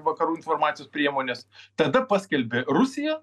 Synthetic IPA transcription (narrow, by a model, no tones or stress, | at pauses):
ʋɐkɐɾuːɪnfoːrmɑːt̪ʲjoːspʲɾʲiɛmoːnʲest̪ɐd̪ɐpɑːsʲkʲɛlʲbʲerʊsʲɪjɛ